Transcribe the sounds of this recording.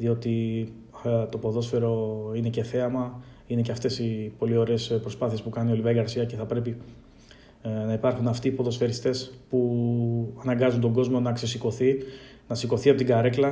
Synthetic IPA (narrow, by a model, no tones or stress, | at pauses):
ðio̞t̪i | t̪o̞po̞ðo̞sfe̞ɾo̞ine̞ce̞θe̞ɐmɐ | ine̞ce̞ɐft̪e̞sipo̞lio̞ɾe̞ːspɾo̞spɐθiespukɐnio̞livɐiɐɾsiɐce̞θɐpɾe̞pi | nɐipɐɾxunɐft̪ipo̞ðo̞sfe̞ɾist̪e̞spu | ɐnɐŋɡɐzunt̪o̞ɡo̞zmo̞nɐkse̞siko̞θi | nɐsiko̞θiɐpot̪iɡɐɾe̞klɐ